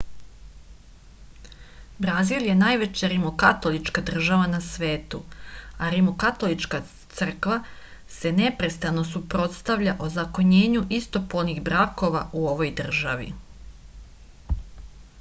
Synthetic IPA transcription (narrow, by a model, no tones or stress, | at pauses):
bɾazilje̞naːjʋe̞t͡ɕaɾimokat̪o̞lˠit͡ʃkad̪r̩ʒaʋanasʋe̞ːt̪uaɾimokat̪o̞lit͡ʃka | t̪sr̩kʋa | se̞ne̞pɾe̞st̪ano̞supɾo̞t̪st̪aʋʎaʔo̞zako̞ɲe̞ːɲuʔist̪o̞polniɣbɾako̞ʋaʔuo̞ʋo̞jd̪r̩ʒaʋḭ